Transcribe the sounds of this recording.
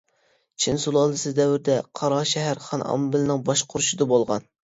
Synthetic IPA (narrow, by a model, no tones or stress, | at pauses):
t͡ʃʰinsulˠɑlˠd̪ɨsɨzd̪ɛwɪɾd̪ɛqʰɑɾɑʃɛɦæɾχɑnɑ̰mbɪlɪnɪŋbɑʃqʰʊɾuʃɪd̪ɑbolˠʁɑ̰n